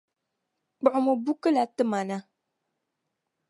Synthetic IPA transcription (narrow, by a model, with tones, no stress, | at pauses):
k͡pʊ˨ʔʊ˨mo˨bu˦kɨ˦la˨tɨ˦ma˨na˦